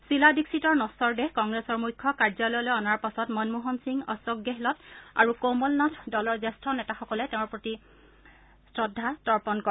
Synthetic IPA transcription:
siladiksitɔɹnɔsɔɹdɛhkɔŋɡɹɛsɔɹmujkʰːɔkaɹzɔlɔjlɔjɔnaɹpasɔtmɔnmuɦɔnsiŋɔ̰sɔɡjɔɦilɔta̰ɹukomɔlnɔtʰdɔlɔɹzɛstʰɔnɛtaxɔkɔlɛtɛʊ̃ɹpɹoti | sɹɔdʱːatɔɹpɔnkɔ

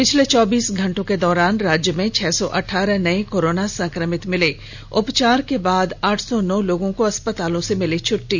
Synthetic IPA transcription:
pɪt͡ʃʰlet͡ʃɔːbiːsɡʱɐ̃ɳʈõked̪ɔːɾaːnɾaːd͡ʒjəmẽt͡ʃʰɛːsɔʔɐʈʰːaːɾɛnɐekoːɾoːnasɐ̃ŋkɾəmɪt̪mɪle | ʊpt͡ʃaːɾkebaːd̪aːʈʰsɔnɔːloːɡõkoɐspət̪aːlõsemɪlet͡ʃʰʊʈːiː

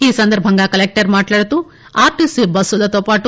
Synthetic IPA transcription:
iːsɐnd̪ɐɾbʱɐŋɡakɐlek̚ʈɐɾmaːʈlaːɽut̪u | aːɾʈisibɐsulɐt̪ɔpaːʈu

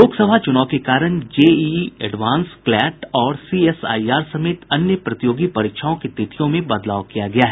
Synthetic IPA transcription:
oːɡsɐbʱat͡ʃʊnaːʊkekaːɾəɳ̃d͡ʒeːiɛɖʋãːnsklɛːʈɔːɾsiːɛsa̰ːiaːɾsɐmeːt̪ɐnjəpɾɐt̪ɪjoːɡipɐɾɪkʃʰaõkit̪ɪt̪ʰijõmẽbɐd̪laːʋkijaɡɐjaɦɛː

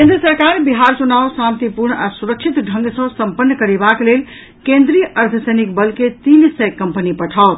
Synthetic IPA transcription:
kẽnd̪ɾəsəɾkaɾbiɦaɾt͡ʃunaʊsamt̪ipuɾɳasuɾək̚t͡ʃʰit̪ɖʱə̃ŋɡsə̃səmpənːəkəɾebaklel | kẽnd̪ɾijəʔəɾt̪ʰəsəjnikbəlket̪insɛjkəmpənipəʈʰaʊt̪

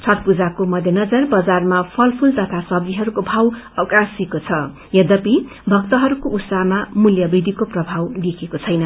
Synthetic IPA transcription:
t͡sʰʌt̪̚pud͡zakomʌd̪ʱjʌnʌd͡zʌrbʌd͡zarmapʰʌlpʰult̪ʌt̪ʰasʌb̚d̪iɦʌɾukobʱawʌkasikot͡sʰʌ | jʌd̪ʌpi | bʱʌkt̪ʌɦʌɾukout̪saɦmamuljʌbid̪ʱikoprʌbʱawd̪ikʰekot͡sʰʌjnʌ

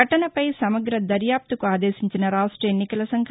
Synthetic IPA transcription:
ɐʈɐnɐpɐjsɐmɐɡɾɐd̪ɐɾjaːp̚t̪ukuaːd̪eːsiɲt͡ʃinɐɾaːʂʈɾɐenːikɐlɐsɐŋkʰ

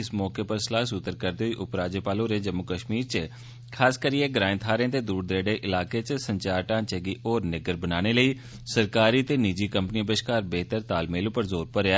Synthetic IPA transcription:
ɪsmɔːkeːpəɾsəlaːsʊt̪ːəɾkəɾd̪eːɦoːiːʔʊpɾaːd͡ʒeːpaːlõːɾeːd͡ʒəmːʊkəʃmiːɾt͡ʃə | kʰaːskəɾiːeːɡɾãːɪ̃nt̪ʰaːɾẽːt̪eːd̪uːɾd̪ɾeːɽeːʔɪlaːkeːt͡ʃsəɲt͡ʃaːɾʈãːt͡ʃɛːɡiːʔoːɾnɪɡəɾbənaːñeːləiː | səɾkaːɾiːt̪eːnid͡ʒiːkəmpənĩbəʃkaːɾbeːt̪əɾt̪aːlmeːlõːpəɾzoːɾpəɾaː

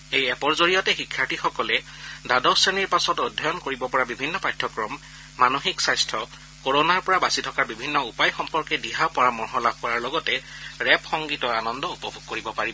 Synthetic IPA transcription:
ejɛpɔɹzoɹijɔtɛxikʰːaɹtʰixɔkɔlɛ | dadɔseniɹpasɔtodʱːɔjɔnkoɹibɔpɔɹabibʱinːɔpajtʰːɔkɹɔmː | anoxiksajstʰɔ | koɹonaɹpɔɹabasitʰɔkaɹbibʱinːɔupajxɔmpɔɹkɛdiɦapɔɹamɔɹɦɔlab̚ʱkɔɹaɹlɔɡɔtɛɹɛpxɔŋɡitɔanɔndɔupɔbʱuɡ̚koɹibɔpaɹibɔ

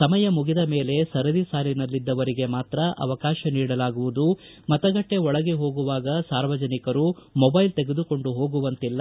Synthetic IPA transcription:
sɐmɐjɐmuɡid̪ɐme̞ːle̞sɐɾɐd̪isaːlinɐlːid̪ːɐʋɐɾiɡe̞maːt̪ɾɐʔɐ̰ʋɐkaːʃɐniːɽɐlaːɡuʋud̪u | mɐt̪ɐɡɐʈːe̞ɔɭɐɡe̞ɦo̞ːɡuʋaːɡɐsaːɾʋɐd͡ʒɐnikɐɾumɔbɐjlt̪e̞ɡed̪uko̞ɳɖuɦo̞ːɡuʋɐnt̪ilːɐ

